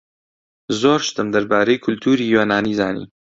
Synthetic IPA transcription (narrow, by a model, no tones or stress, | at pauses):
zoːɾʃt̪ɨmd̪ɐɾbaːɾejkʰʊlt̪ʰuːɾijonaːniːzaːnḭː